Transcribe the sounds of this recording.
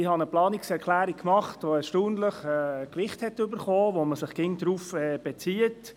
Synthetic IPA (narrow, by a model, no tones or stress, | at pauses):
ɪhɑnəplɑːniksɛɾkʰlæːɾik̚kːmɑχtʋoɛɾʃtuːndləχɛːkʋɪχthɛtʏbəɾχɔːʋoməsɪχkɪŋdɾuːfɛːb̥ɛt͡siət